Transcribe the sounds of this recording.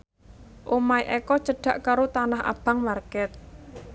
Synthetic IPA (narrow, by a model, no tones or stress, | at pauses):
ʔomaiʔɛkɔt͡ʃəɖ̥a̤ʔkaɾot̪anaɦa̰b̥a̤ŋmarkɛt̪̚